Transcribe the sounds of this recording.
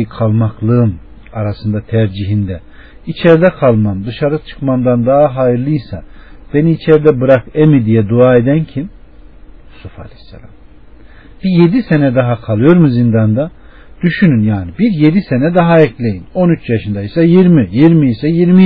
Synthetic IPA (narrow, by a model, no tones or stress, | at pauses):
kʰalˠmaklˠɯɯm | aɾasɯnd̪at̪ʰæɾd͡ʒiɦind̪ɛ | it͡ʃʰɛɾd̪ɛkʰalˠmamd̪ɯʃaɾɯt͡ʃʰɯ̥kmamd̪and̪aɦaɦajɯɾlˠɯjsa̰b̥e̞niːt͡ʃʰɛɾd̪ɛbɯɾakemid̪ijɛd̪uaːe̞d̪æncʰim | sufa̰lʲɛsːɛ̰lʲa̰m | b̥ije̞d̪ise̞nɛd̪aɦakʰalˠɯjo̞ɾmuzind̪and̪a | d̪̥yʃynynjaːnibiɾje̞d̪ise̞nɛd̪aɦaɛclʲe̞jino̞nyt͡ʃjaʃɯnd̪aisajiɾmijiɾmiisɛjiɾmi